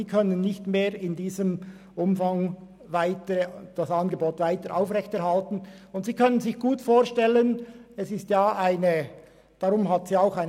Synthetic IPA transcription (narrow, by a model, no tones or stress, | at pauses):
iːkʰœnənːɪçtmeːɾɪndiːzəm | ʔʊmfaŋ | vaɪtəɾd̥asɑnɡəboːtvaɪtəɾʔaʊfʁɛçtɛɐʁhaltn̩ʊntsiːkʰœnənzɪçɡ̥uːtfoːʁʃtɛlənɛsɪstjaːʔaɪnə | d̥aɾʊmɦatz̥iːaʊxaɪn